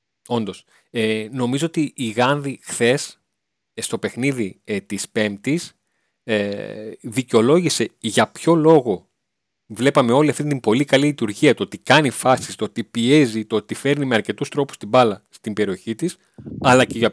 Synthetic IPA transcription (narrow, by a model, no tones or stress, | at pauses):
o̞nd̪o̞s | eno̞mizo̞o̞t̪iʔːɣɐnðixθe̞s | st̪o̞pe̞xniðit̪ispe̞mp̚t̪is | e | ðiceo̞lo̞ʝise̞ʝɐpço̞lo̞ɣo̞ | vle̞pɐme̞o̞liɐft̪int̪imbo̞likɐlilit̪uɾʝiɐt̪ot̪ikɐnifɐsi̥st̪ot̪ipie̞zit̪ot̪ife̞ɾnimeɐɾce̞t̪ust̪ɾo̞pu̥st̪ibɐlɐst̪imbe̞ɾio̞çit̪is | ɐlɐce̞ʝɐ